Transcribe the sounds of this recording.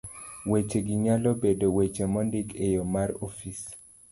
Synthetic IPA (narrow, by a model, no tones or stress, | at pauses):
wet͡ʃeɡiɲalɔbedwet͡ʃemɔndikejɔmaɾɔfis